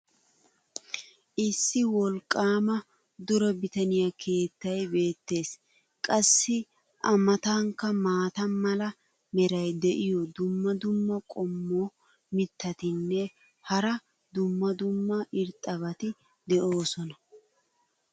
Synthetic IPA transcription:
ʔɪsːɪwɔlkʼːaːmɐ | d̪ʊɾɔbɪt̪ɐnɪjɐkʰe̞ːt̪ːɐjbe̞ːt̪ːe̞ːs | kʼɐsːɪ | ʔɐmɐt̪ɐŋkːɐmaːt̪ɐmɐlɐ | mɛɾɐjd̪ɛʔɪjɔd̪ʊmːɐd̪ʊmːɐkʼɔmːoː | mɪt̪ːɐt̪ɪnːɛ | hɐɾɐ | d̪ʊmːɐd̪ʊmːɐʔɪɾt̪ʼːɐβɐt̪ɪ | d̪ɛʔo̞ːsɔnɐ

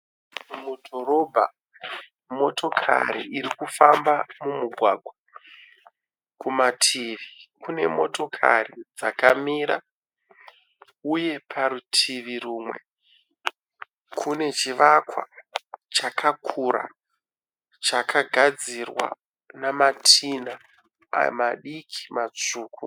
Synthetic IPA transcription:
mudʱo̞ɾobʱa̰ | mo̞to̞kʰa̰ɾḭʔiɾikufambamumuɡʱwaɡʱwa | kumatʰiʋikune̞mo̞̰to̞kʰa̰rid͡zakamiɾa | uje̞pʰaɾutʰiʋiruːmwe̞̰ | kʰune̞t͡ʃiʋakwa̰t͡ʃakʰakʰuɾa̰ | t͡ʃakʰaɡʱad͡zirwa̰ | namatʰina̰ | maɗikʰi̥mat͡ʂuːkʰu

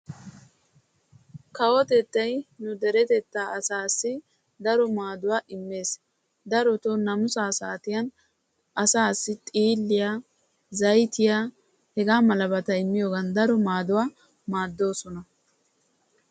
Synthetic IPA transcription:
kɐwɔt̪ɛt̪ːɐjnʊd̪ɛɾɛt̪ɛt̪ːaːɐsaːsːɪ | d̪ɐɾɔmaːd̪ʊwaːʔɪmːe̞ːs | d̪ɐɾɔt̪ɔnɐmʊsaːsaːt̪ɪjɐn | ʔɐsaːsːɪt̪ʼiːlːɪjaː | zɐjt̪ɪjaː | hɛɡaːmɐlɐbɐt̪ɐɪmːɪjoːɡɐnd̪ɐɾɔmaːd̪ʊwaː | maːd̪ːo̞ːsɔnɐ

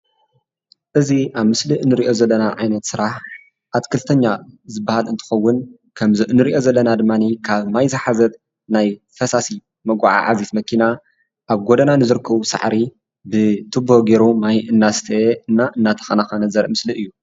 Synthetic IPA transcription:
ʔɨziʔaβmɨsliʔɨnːɨɾiʔo̞zɐlːɐnaʕajnɐt̪sɨɾaħ | ʔat̪kʰɨlt̪ʰɐɲːazɨbːahalɨnt̪ʰɨ̥xɐwːʊn | kʰɐmzɨʔɨnːɨɾiʔo̞zɐlːɐnad̪ɨmːanikʰaβmajzɐħazɐt̪̚ | naj | fɐsasi | mɐɡʷa̰ʕa̰ʕa̰zit̪mɐkʰina | ʔaβɡod̪ɐnanɨzɨɾkʰːɐβusa̰ʕɾi | bɨt̪ʰɨboɡeɾumajɨnːast̪ʰɐeɨnːaʔɨnːat̪ʰɐ̥xɐnaxanɐzɐɾmɨsliʔɨjːu

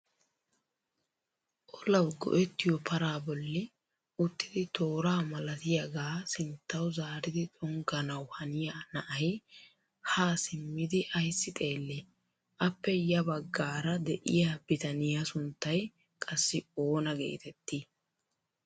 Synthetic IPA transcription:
ʔɔlɐwɡɔ̰ʔɛt̪ːɪjɔpʰɐɾaːbɔlːɪ | ʊt̪ːɪd̪ɪt̪ʰo̞ːɾaːmɐlɐt̪ɪjaɡaːsɪnt̪ːɐwzaːɾɪd̪ɪt͡sʼɔŋɡɐnɐwhɐnɪjaːnɐʔɐjɪ | haːsɪmːɪd̪ɪʔɐjsːɪt̪ʼe̞ːlːi | ʔɐpːɛjɐbɐɡːaːɾɐd̪ɛʔɪjaːbɪt̪ɐnɪjasʊnt̪ːɐj | kʼɐsːɪo̞ːnɐɡḛːt̪ɛt̪ːi

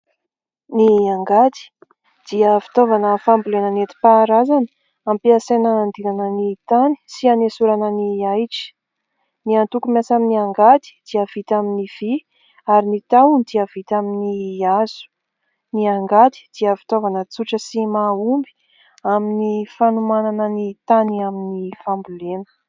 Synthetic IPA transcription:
niaŋɡat̪i̥ | d̪̥iəvi̥t̪ovanəfambulenənet̪i̥paɾazanə | ampiasenəand̪inanənit̪ani̥sianesuɾanəniajʈ͡ʂi̥ | niant̪ukumjasaminiaŋɡat̪i̥d̪̥iav̥it̪aminiv̥i | aɾinit̪awund̪iav̥it̪aminiaz̥u̥ | niaŋɡad̪i̥d̪̥iəvit̪ovanət͡suʈ͡ʂəsimaumbi̥ | aminifanumananənit̪aniaminifambulenə̥

